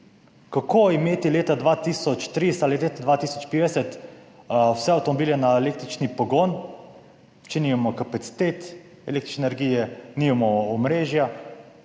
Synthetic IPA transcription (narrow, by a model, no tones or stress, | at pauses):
kakʰoːimeːt̪ileːt̪ad̪ʋaːt̪iːsɔt͡ʃt̪ɾist̪alilet̪ad̪ʋaːt̪iːsɔt͡ʃpeːd̪ɛsɛt̪ | wsɛawt̪ɔmɔbiːlɛnaeleːk̚t̪ɾit͡ʃnipɔɡoːn | t͡ʃenimamɔkapat̪si̥t̪eːt̪ | ɛlekt̪ɾit͡ʃnenɛɾɡijɛniːmamɔɔmɾeːʒja